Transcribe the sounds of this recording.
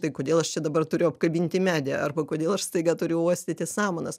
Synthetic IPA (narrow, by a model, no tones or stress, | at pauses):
t̪ɐɪkoːd̪ʲeːlˠɐʃt͡ʃʲɛd̪ɐbɐrt̪ʊɾʲʊɐpkɐbʲiːnʲt̪ʲɪmʲæːd̪ʲɛɐrbɐkoːd̪ʲeːlˠɐʃst̪ɐɪɡɑːt̪ʊɾʲʊoɔsʲt̪ʲɪt̪ʲɪsɑːmɐnɐs